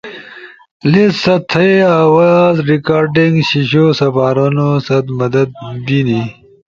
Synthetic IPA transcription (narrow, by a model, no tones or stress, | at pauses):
litsɐt̪ʰɐeawazɾikaːɾɖiŋɡɕiɕosɐfaːɾanosɐt̪mɐd̪ɐd̪̚bini